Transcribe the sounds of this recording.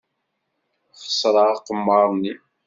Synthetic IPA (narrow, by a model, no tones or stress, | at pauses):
χə̥sˤɾˤɑʁqəmːɑɾˤni